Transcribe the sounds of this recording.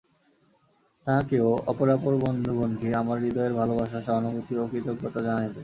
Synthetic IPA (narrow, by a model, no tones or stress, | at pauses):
t̪akeoɔ̰poɾapoɾbɔnd̪ʱobond̪ʱiamaɾːid̪ɔeɾbʱalobaʃ̬aʃɔɦnobot̪iokit̪oɡʱot̪ad͡ʑanajbe